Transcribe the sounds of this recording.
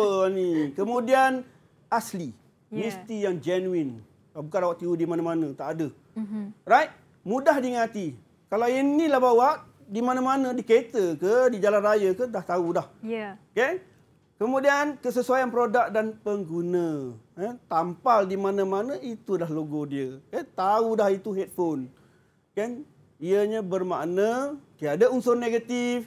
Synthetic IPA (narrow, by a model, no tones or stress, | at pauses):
ənikəmũdian | asli | mĩst̪ijaŋd͡ʒɛnuin | abukanawaʔt̪iudimanãmanə̃t̪aʔadə | rajt̪̚ | mudaɦdiŋat̪i | kalawinnːilahbawaʔ | dimanãmanə̃dikəet̪əkədid͡ʒalanrajəkədaht̪audahjke | kəmũdiankəsəsuajanpəɾodak̚danpəŋɡunə̃ət̪ampaldimanãmanə̃it̪udahloɡodiəkət̪audaɦit̪uɦet̪̚fon | kan | iəɲãbərmaʔnə̃t̪iadəunsʊrneɡat̪if